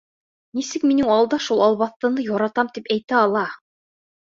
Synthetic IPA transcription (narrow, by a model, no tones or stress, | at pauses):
nisɘkminɘŋɑlˠd̪ɑʃulˠɑlˠβɑθt̪ɤ̆nɤjɑɾɑt̪ɑmt̪ipæjt̪æɑlˠɑ